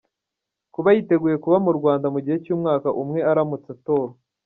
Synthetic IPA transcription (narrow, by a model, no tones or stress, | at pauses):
kuβajite̞ɡuːje̞kuβamuɾɡwaːndamuɟihe̞cuːmŋaːkaʔumŋe̞aɾamut͡sato̞ːɾo